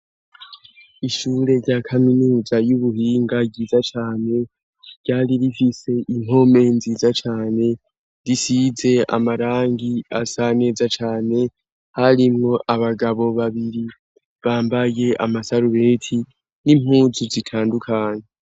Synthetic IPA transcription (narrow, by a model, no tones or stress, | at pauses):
iʃuɾe̞ɾɟakʰaminuːzajuβuhiːŋɡaɟiːzat͡ʃaːne̞ | ɾɟ̥aːɾiɾifise̞ʔiŋ̥ɦo̞me̞nziːzat͡ʃaːne̞ | ɾisize̞a̰maɾaːŋɡiasane̞ːzat͡ʃaːne̞ | haɾimŋo̞ʔaβaɡaβo̞βaβiɾi | βaːmbaje̞ʔa̰masaɾuβe̞ːtʰi | nim̥huːzuzitʰaːndukʰaːɲe